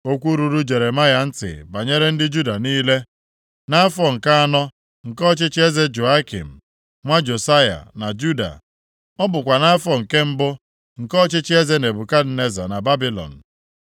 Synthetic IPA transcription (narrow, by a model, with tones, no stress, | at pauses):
o˦kʷu˦ɾu˨ɾu˦d͡ʒe˨ɾe˨ma˦ja˨n̩˦tɪ̰˨ba˨ɲe˦ɾe˦n̩˦dɪ˦d͡ʒu˦da˨niː˦le˦ | na˦fɔ˨ŋ̩˨ka˦a˦nɔ˦ | ŋ̩˨kɔ˦t͡ʃɪ˦t͡ʃɪ˦e˦ze˦d͡ʒo˨a˦kḭ˨m̩˨ | ŋʷa˦d͡ʒo˨sa˦ja̰˨na˨d͡ʒu˦da̰˨ | ɔ˦bʊ˨kʷa˨na˦fɔ˨ŋ̩˨ke˦m̩˦bʊ˦ | ŋ̩˨kɔ˦t͡ʃɪ˦t͡ʃɪ˦e˦ze˦ne˨bʊ˨ka˦dne˦za̰˨na˨ba˦bi˦lɔ̰˨n̩˨